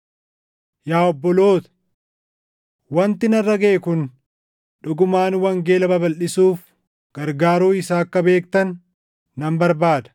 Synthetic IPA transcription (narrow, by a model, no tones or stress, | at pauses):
jaːɔbːɔloːt̪ɐ̥ | wɐnt̪ɪnɐrːɐɡɐʔɛkʊn | ᶑʊɡʊmaːnwɐŋɡe̞ːlɐbɐbɐlʔɪsuːf | ɡ̥ɐɾɡaːɾuːɪsaːɐkːɐbe̞ːk̚t̪ɐnː | ɐmbɐɾbaːd̪ɐ̥